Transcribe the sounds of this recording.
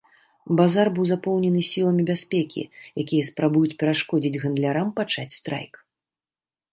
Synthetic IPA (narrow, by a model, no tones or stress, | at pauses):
bazarbɨwzapɔwnʲɛnɨsʲilˠɐmʲibʲasʲpʲɛkʲʰḭjakʲijɐspɾabujut͡sʲpʲɛɾaʂkɔd͡zʲid͡zʲɣɐnd̪lʲaɾampat͡ʂat͡sʲst̪ɾa̰jk